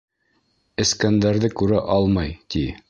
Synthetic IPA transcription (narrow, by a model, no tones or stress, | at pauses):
ɘ̆skænd̪æɾðɘkʉɾæʔɑlˠmɑjt̪i